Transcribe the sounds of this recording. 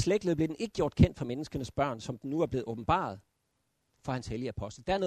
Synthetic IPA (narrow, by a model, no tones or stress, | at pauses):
sleɡ̥lðˠble̝denʔe̝ɡ̥əɡ̥jo̝̰ɐd̥̚kʰen̰d̥fɒ̽menəsɡ̥ɐnəsb̥ɶɐ̰nsɒ̽md̥enːuæɐb̥l̝̩ːˠɔ̽ːb̥n̩b̥ɑ̰̈ð̞̩ˠ | fɒhænsheljəæpʰɒ̽sd̥əd̥ææɐɔ̽ː